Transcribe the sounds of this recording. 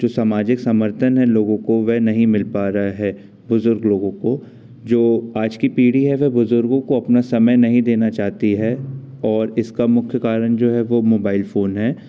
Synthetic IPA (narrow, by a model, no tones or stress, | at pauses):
d͡ʒoːsaːmaːd͡ʒɪksɐməɾt̪ʰənɦɛloːɡõkoʋɛɦnɐɦĩmɪlpaːɾaaɦɛː | bʊzʊɾɡloːɡõko | d͡ʒoːaːd͡ʒkipiːɽiɦɛʋɛbʊzʊɾɡõkoɐpnasɐməjnɐɦĩd̪eːnat͡ʃaːɦt̪iɦɛ | ɔːɾɪskamʊkʰjəkaːɾəɳ̃d͡ʒoːɦɛʋomoːbaːɪlfoːnɦɛː